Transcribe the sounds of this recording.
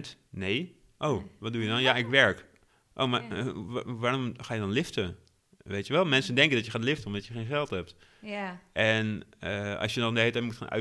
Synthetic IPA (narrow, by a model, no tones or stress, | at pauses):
t | neː | ʔoːʋɔt̚dujədɔnjaʔɪkʋɛɹk | ʔo̰wma | ʋaromxaːjədɔnlɪftə | ʋeːtjəʋɛlˠmɛnsəndɛŋkəndɔtjəxaːtlɪftənmdɔtjəxeːnxɛlˠthɛp̚t | ʔɛnəɑ̰sjənɔndəɦeːtɛmutxa̰ːnʔœ̰